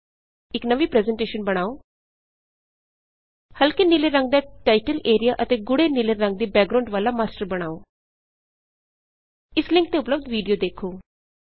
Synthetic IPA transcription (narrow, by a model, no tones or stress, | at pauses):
ɪknəʋiːpɾɛːzəɳʈeːʃənbəɽ̃aːoː | həlkeːnɪleɾə̃ŋɡ̚d̪aːʈaːɪʈəleːɾijaːʔət̪eːɡʊɽeːnileɾə̃ŋɡ̚d̪iːbɛːɡ̚ɾãʊɳɖʋaːlaːmaːsʈəɾbəɽ̃aːoː | ɪslɪ̃ŋkt̪eːʊpləbd̪ʋiːɖijoːd̪eːkʰoː